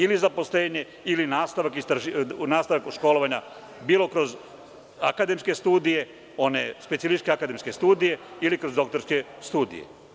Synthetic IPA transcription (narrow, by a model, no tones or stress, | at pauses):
ilizapo̞sle̞ːɲe̞ | ilinaːst̪aʋakist̪ɾaʒinaːst̪aʋakʃko̞lˠoʋaɲa | biːlo̞kɾo̞z | a̰kad̪e̞mske̞st̪uːd̪ije̞ | o̞ne̞̰spetsilit͡ʃkeakad̪e̞mske̞st̪uːd̪ije̞ilikɾo̞zd̪o̞kt̪o̞ɾske̞ | st̪uːd̪ḭjḛ